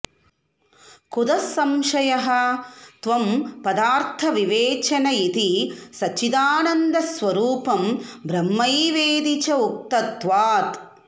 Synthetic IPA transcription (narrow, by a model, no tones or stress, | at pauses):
kud̪ɐsɐmʃɐjɐɦɐ̆t̪ʋɐmpɐd̪aːɾt̪ʰɐʋiʋeːt͡ʃɐnɐit̪isɐt͡ʃid̪aːnɐnd̪ɐsʋɐɾuːpɐmbɾɐmːɐjʋeːd̪it͡ʃɐuk̚t̪ɐt̪ʋaːt̪